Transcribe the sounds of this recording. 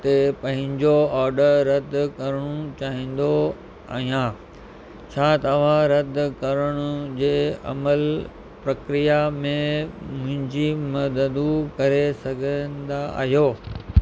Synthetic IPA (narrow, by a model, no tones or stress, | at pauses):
t̪epɐ̃ɦɪ̃ɲd͡ʑoaːɾɖəɾːɐd̪kɐɾəɽ̃ut͡ɕaːɦĩːn̆d̪o | a̰ːɦijã | t͡ɕʰaːt̪ɐʋ̤ãɾɐd̪kɐɾəɽ̃ʊd͡ʑeːɐ̰məl | pɾɐkɾijamẽmʊ̃ɦɪ̃ɲd͡ʑimɐd̪əd̪ukɐɾesɐɡʱə̃nd̪a̰ɦijoː